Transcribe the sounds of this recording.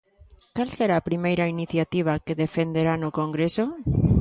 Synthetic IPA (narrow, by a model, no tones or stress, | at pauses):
kalseɾaːpɾimejɾainiθjat̪iβ̞akeðefend̪eɾanokoŋɡɾeso